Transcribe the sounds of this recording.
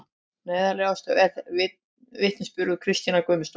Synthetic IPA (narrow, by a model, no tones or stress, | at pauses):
neːjðalɛast̪ɛθvɪ | vɪht̪nɪspjʏɾðʏkʰɾɪst̪inakœːmɪst̪